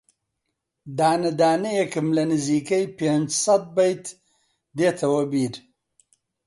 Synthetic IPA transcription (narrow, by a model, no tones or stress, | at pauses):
d̪aːnəd̪aːnejekəmlɐnəzikəjpend͡ʒsat̪̚bajt̪ | d̪et̪ʰɐwabiːɾ